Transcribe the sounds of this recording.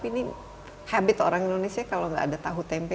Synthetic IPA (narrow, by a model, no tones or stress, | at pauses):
pini | habɪt̪oɾaŋindonesiakaloŋɡa̰ːdat̪aɦut̪ɛmpɛ